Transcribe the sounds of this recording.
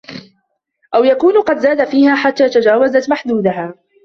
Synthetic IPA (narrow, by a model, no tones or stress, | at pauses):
ʔawjakuːnqɑd̪zaːd̪afiːhaːħat̪ːaːt̪ad͡ʒaːwazat̪maħd̪uːd̪aɦaː